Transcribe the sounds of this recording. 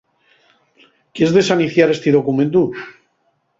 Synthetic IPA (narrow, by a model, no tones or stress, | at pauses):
keezðe̞saniθjaɾe̞st̪iðokumẽnt̪̬u